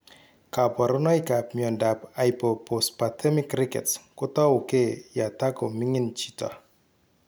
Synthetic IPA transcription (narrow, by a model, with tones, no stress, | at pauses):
ka˨pɔ˨ɾɔ˦nɔ˦ika˨pmjɔ˨nda˨pa˨jpɔ˨po˨stpa˨tʰɛ˦mɪ˦kɾɪ˦kɛ̰˨tskʊ˦tɔ˦ʊ˨ke˦ja˨ta˦ko˨mɪ˦ŋɪ˦nt͡ʃi˦ta̰˨